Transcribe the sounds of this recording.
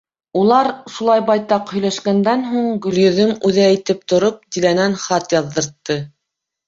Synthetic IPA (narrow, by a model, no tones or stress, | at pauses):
ulˠɑɾʃulˠɑjbɑjt̪ɑqhɵ̆jlæʃkænd̪ænɦuɴɡɵ̆ljɵ̆ðɵmʉðææjt̪ɘp̚t̪ŏɾop̚t̪ilænænχɑt̪jɑðːɤ̆ɾt̪ːɤ